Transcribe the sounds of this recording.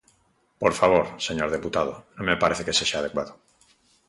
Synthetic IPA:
poɾfaβ̞o̞ɾse̞ɲoɾð̞eput̪að̞o̰nõmepaɾeθeke̞seʃaːðekwaðo

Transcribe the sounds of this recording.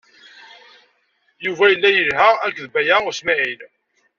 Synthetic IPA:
juvæjəlːæjəlɦæækːðbæjæʊsmæʕil

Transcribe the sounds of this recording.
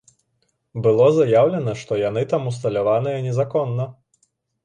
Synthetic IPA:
bɨlˠɔzajawlʲɛnɐʂt̪ɔjanɨt̪amust̪ɐlʲavanɨjɐnʲɛzakɔnːɐ

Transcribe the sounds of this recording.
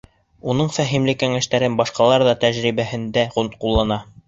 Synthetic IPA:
unɤɴfæɦimlɘkæŋæʃt̪æɾɘnbɑʃqɑlˠɑɾðɑt̪æʑɾiβæhɘ̆nd̪æʁunt̪qulˠːɑnɑ

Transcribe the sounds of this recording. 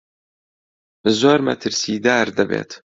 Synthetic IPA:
bɨzoːɾmɐ̰t̪ʰɨɾsiːd̪aːɾd̪abḛːt̪

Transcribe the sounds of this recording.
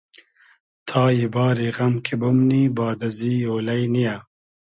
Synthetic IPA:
t̪ʰɑːjibɑːɾiɣɐmkʰebʊmnibɑːd̪ɐziːoːlɐjnija

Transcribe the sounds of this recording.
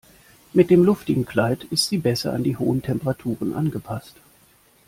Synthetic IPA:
mɪt̚d̥eːmlʊftɪɡŋ̩kl̥aɪtɪstz̥iːbɛsɐ̰a̰ndiːhoːəntʰɛmpəʁatʰuːʁ̞ənʔa̰nɡəpʰast

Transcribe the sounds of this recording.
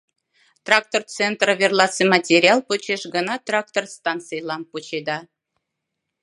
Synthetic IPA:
t̪rɑk̚t̪ort͡sent̪rəvʲerlˠɑsemɑtʲeɾʲiɑlˠput͡ɕeʃɡə̆nɑt̪rɑk̚t̪orst̪ɑnt̪t͡sɨjlˠɑmput͡ɕed̪ɑ

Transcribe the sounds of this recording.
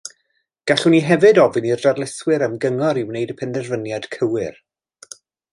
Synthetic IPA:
ɡ̥aɬʊniɦɛvɨdɔvɨnirdarlˠɪswɪɾəmɡəŋɔɾiwnejdəpʰɛnðɛrvənjad̥kʰəwɪr

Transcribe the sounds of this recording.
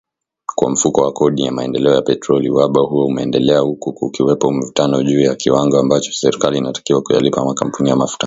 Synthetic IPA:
kwa̰m̩fukɔwakɔɗijamaɛndɛlɛɔjapɛtɾɔliwaɓahuɔumɛɛndɛlɛahukuːkiwɛpɔm̩vutanɔʄuːjakiwaŋɡɔambat͡ʃɔ̥sɛɾikaliːnatḁkiwakuja̰lipamakam̩punijamafu̥ta

